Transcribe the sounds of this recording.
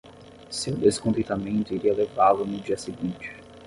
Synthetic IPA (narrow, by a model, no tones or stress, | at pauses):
sewd̪eskõnt̪ĩt̪amẽnt̪ʊiɾiɐlevalʊnʊd͡ʒiɐseɡĩnt͡ʃɪ̥